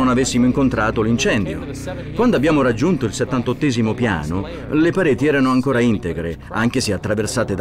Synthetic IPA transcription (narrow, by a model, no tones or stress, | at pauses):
onavesːimoiŋkont̪ɾaːt̪olint͡ʃɛnd̪jo̰ | kwand̪oabːjaːmoɾad͡ʒːunt̪oilset̪ːant̪ot̪ːɛːzimopja̰ːno | lepaɾeːt̪iɛːɾanoaŋkoːɾaint̪eɡɾe | aŋk̟eseat̪ːɾaversaːt̪ed̪